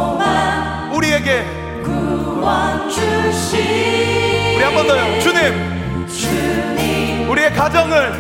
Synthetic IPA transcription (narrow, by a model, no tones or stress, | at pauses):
ma | uɾie̞ɡe̞ | kuwʌt͡ɕʰuɕi | uɾiɦambʌndʌjot͡ɕuɲim | t͡ɕuɲi | uɾie̞kad͡ʑʌŋɯɭ